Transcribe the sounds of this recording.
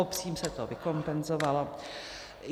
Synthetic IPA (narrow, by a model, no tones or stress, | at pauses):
opsiːmsɛt̪ovɪko̞mpɛnzovalo̞